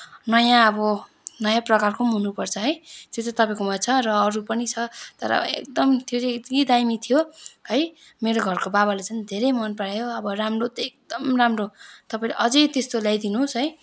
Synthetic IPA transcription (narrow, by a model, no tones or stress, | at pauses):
nʌjãʌbʌ | nʌjãprʌkarkʰomɦunupʌrt͡sʰʌɦʌjt̪jot̪ʌt̪ʌpaĩkomʌt͡sʰʌrʌːɾupʌnit͡sʰʌt̪ʌ̰ɾʌ̰ḛk̚d̪ʌmt̪ʰioɾedɡid̪ajmit̪ʰijoɦʌj | meɾoɡʱʌrkobabalet͡sʌñd̪ʱeɾʌjmʌnpaɽajoʌbʌramrot̪ʌek̚d̪ʌmramrot̪ʌpaĩleʔʌd͡zʌjt̪est̪oljajd̪inusɦʌj